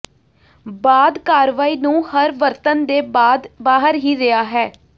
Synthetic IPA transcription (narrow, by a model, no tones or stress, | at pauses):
baːd̪kaːɾʋaːiːnũːhəɾʋəɾt̪ənd̪eːbaːd̪baːɦəɾɦiːɾɪaːɦɛː